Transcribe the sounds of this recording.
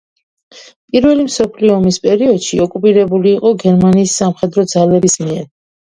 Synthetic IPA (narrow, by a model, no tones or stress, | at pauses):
pʼiɾvɛlimsɔpʰliɔːmispʼɛɾiɔd̪̥ʃiɔkʼupʼiɾɛbuliːqʼɔɡɛɾmaniːsːamχɛd̪ɾɔd̪zalɛbismiɛɾ